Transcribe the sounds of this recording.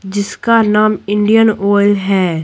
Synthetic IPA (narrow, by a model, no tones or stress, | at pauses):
d͡ʒɪskanaːmɪ̃ɳɖijənɔːɪlɦɛː